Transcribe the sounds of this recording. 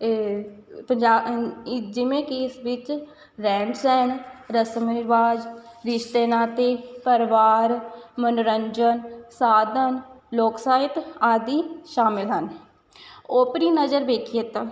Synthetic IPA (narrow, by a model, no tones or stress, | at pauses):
pəɲd͡ʒaː | d͡ʒɪʋẽːkeɪsʋɪt͡ʃ | ɾɛ̃ːɳʈsɛːɳɾəsəmɪɾʋaːd͡ʒɾɪʃt̪eːnaːt̪eːpəɾʋaːɾmənɾəɲd͡ʒənsaːd̪ʱənloːksaːɪt̪aːd̪iːʃaːmɪlɦən | oːpɾiːnəzəɾʋeːkʰijet̪ãː